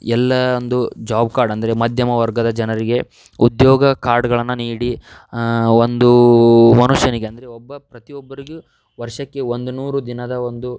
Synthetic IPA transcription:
ɛlːɐond̪ud͡ʒaːbkaːɾɖɐnd̪ɐɾe̞mɐd̪ʱjɐmɐʋɐɾɡɐd̪ɐd͡ʒɐnɐɾiɡe̞ | ud̪joːɡɐkaːɾɖɡɐɭɐnːuniːɽi | ond̪umɐnuʂjɐniɡe̞ɐnd̪ɐɾeɔbːɐpɾɐt̪ijɔbːɐɾiɡu | ʋɐɾʂɐkːe̞ond̪unuːɾud̪inɐd̪ɐond̪u

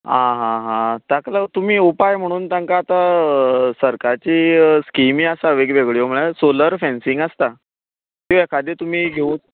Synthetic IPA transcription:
ɦãɦãɦãt̪aklat̪um̤iːupajm̤əɽ̃uːnt̪jãŋkaːt̪a | səɾkaɾt͡ɕiːskimiasaʋeɡʋeɡɭijom̤əɭasoləɾfɛ̃nsĩŋɡəst̪a | kĩʋekʰad̪et̪um̤iːɡʱeũ

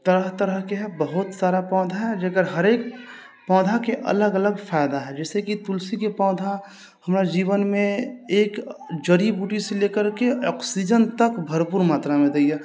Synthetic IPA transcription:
t̪əɾəɦt̪əɾəɦkeɦɛbəɦʊt̪saːɾapɔ̃ːd̪ʱaɦɛd͡ʒekəɾɦəɾeːk | pɔ̃ːd̪ʱakeʔə̰ləɡələɡpʰaɪd̪aɦɛd͡ʒɛːsekit̪ulsikepɔ̃ːd̪ʱa | həmɾad͡ʒiːʋənmẽeːkd͡ʒəɾibuːʈiselekəɾkeʔɔksid͡ʒənt̪əkbʱəɾpuɾmaːt̪ɾamẽd̪eje

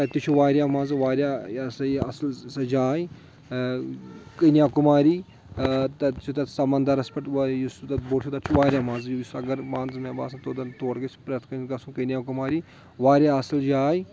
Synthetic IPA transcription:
t̪ɐt̪it͡ʃʰuʋaːɾʲjaːmãːnzʋaːɾjaːsɐiɐslsɐd͡ʒaːi | kɐnijaːkumaːɾiː | t̪ɐt͡ʃʰut̪ɐsɐmɐnd̪aɾɐspɐʈːjust̪ɐboːt͡ʃʰut̪ɐt͡ʃʰuʋaːɾʲjaːmãːnzjujisɐɡɐɾmãːnzmeba̰ːsɐ̃t̪od̪ɐnt̪oːɽɡɐt͡ʃpɾɐt̪ʰkɐnnɡɐsũːkɐnʲjaːkumaːɾiː | ʋaːɾʲjaɐsɐld͡ʒaːi

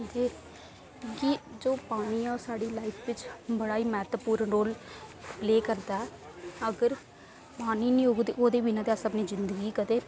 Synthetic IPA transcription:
d͡ʒiː | kid͡ʒoːpaːɳ̃iːɔːɾsaːɽiːlaːɪpʰʋɪt͡ʃbəɽaːiːmɛːt̪əpuːɾənɾoːlpleːkəɾt̪aɛ | əɡəɾ | paːniːnĩːoɡd̪ḛːʔoːd̪eːʋinãd̪eaːsəpniːzɪnd̪əɡiːkət̪eː

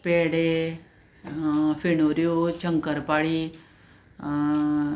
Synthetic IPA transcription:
peːɽe | finoɾijot͡ʃəŋkəɾpaɽi

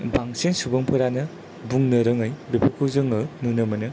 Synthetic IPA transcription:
baŋsensubɐŋpʰɯɾanɯ | buŋnɐɾɯŋɯjbepʰɯkʰɯwzɯŋɯnunɯmɐnɯ

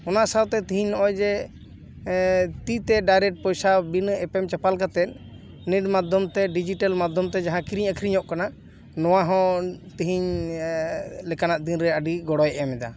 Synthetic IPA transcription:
ɔnaʔsawt̪ɛt̪iɦiɲnɔʔɔjd͡ʒɛ | t̪it̪ɛɖajɾɛʈ̚pɔjsabinɛpɛmt͡ʃapalkat̪ɛt̪̚ | niɖmad̪ʱɔmt̪ɛɖid͡ʒiʈalmad̪ʱɔmt̪ɛd͡ʒaɦãkiɾiɲəkʰɾiɲɔʔkana | nɔwaɦɔ̃t̪iɦiɲ | lɛkanaʔd̪inɾɛəɖiɡɔɽɔjʔɛmɛd̪a̰

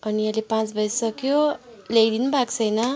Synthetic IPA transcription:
ʌniʌlepãt͡sbʱʌjsʌkjolejd̪inbʱakt͡sʰʌjnʌ

